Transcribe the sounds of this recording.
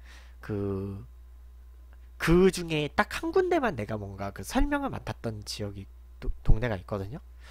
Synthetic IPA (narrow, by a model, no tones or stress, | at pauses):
kɯ | kɯd͡ʑuŋe̞t͈ak̚hanɡunde̞manːe̞ɡamwʌnɡakɯsʰʌɭmjʌŋɯɭma̰tʰat̚t͈ʌnt͡ɕijʌɡi | otoŋne̞ɡaik̚k͈ʌdɯɲo